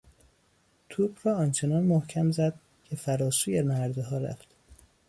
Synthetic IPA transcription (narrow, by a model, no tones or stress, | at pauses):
t̪ʰuːbrɒːɒːnt͡ʃʰenɒːnmohcʰæmzæd̪̥̚ | cʰe̞fæɾɒːsuːjemæɾd̪eɦɒːɾæ̰ft̪